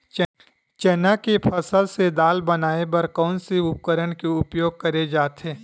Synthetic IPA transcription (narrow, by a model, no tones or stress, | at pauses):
t͡ʃɛːnakepʰɐsəlsed̪aːlbɐnaːebɐɾkɔːnseʊp̚kəɾəɽkeʊpjoːɡ̚kɐɾed͡ʒaːt̪ɦeː